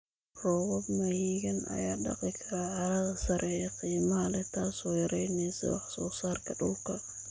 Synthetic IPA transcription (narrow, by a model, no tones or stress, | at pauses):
rɔːwɔbmɐjiːɡɐnʔɐ̰jaːɗɑ̰qʼɪkʰɐɾaʕɑɾɐðɐsɐɾʔɛɛqiːmɐhɐlɛt̪ʰaːsɔːjɐɾɛjnɛːsɐ̰wɑħsɔːsaːrkʰɐɗʊlkʰɐ